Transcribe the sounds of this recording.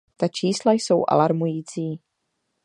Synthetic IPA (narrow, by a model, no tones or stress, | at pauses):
t̪at͡ʃiːslajso̞wʔa̰laɾmujiːt͡siː